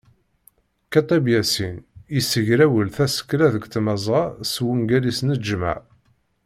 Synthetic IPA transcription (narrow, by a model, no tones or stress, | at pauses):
kæt̪ˤæbjæsinisəʝɾæwəlθæsə̥kːlæðəɡt̪məzˤɑswəŋɡælisnəd͡ʒmæ̰ʕ